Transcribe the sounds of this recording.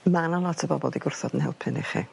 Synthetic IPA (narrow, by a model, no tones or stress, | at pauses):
manalˠɔtʰəbɔbɔlˠdiɡʊrθɔdən̩hɛ̰lˠpʰəniχḭ